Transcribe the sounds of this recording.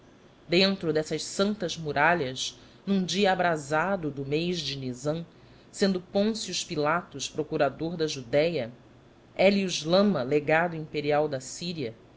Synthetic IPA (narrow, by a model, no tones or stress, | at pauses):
d̪ẽnt̪ɾʊd̪ɛsɐʃsɐ̃nt̪ɐzmuɾaʎɐz | nũd͡ʒiɐːbɾazad̪ʊd̪ʊmejzd͡ʒɪnizɐ̃ | sẽnd̪ʊpõsiuʃpilat̪ʊʃpɾokuɾad̪oɾd̪ɐʒud̪ɛjɐ | ɛliuʒlɐ̃mɐleɡad̪ʊĩmpeɾiawd̪ɐsiɾiɐ